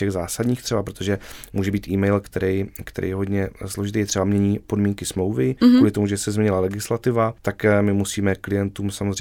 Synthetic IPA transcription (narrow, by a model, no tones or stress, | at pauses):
ɛɣzaːsad̪ɲiːxt̪r̥ɛbapɾot̪o̞ʒɛmuːʒɛbiːt̪ʔiːmɛjlkt̪ɛɾɛjkt̪ɛ̰ɾʔɛ̰jɛɦod̪ɲɛslo̞ʒɪt̪ijɛt̪r̥ɛbamɲɛɲiːpo̞dmiːŋkɪsmlowvɪkuːlɪt̪omuʒɛsɛzmɲɛɲɪlalɛɡɪslat̪ɪvat̪akmɪmusiːmɛklɪjɛnt̪uːmsamozrɛ